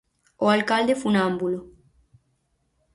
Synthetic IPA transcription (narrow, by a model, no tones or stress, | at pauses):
oalkald̪efunambulo